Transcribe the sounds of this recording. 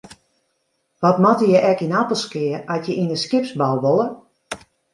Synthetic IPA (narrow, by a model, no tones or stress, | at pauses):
ʋɔtmɔtəjɛʔɛkinatəlˠskɪəɔtjəʔinəskɪpsbɔlˠʋolˠə